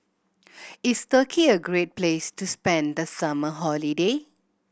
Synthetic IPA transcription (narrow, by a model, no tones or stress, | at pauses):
istəkʰiəɡɹet̚plestuspɛ̃nd̪əsaməɦɔlide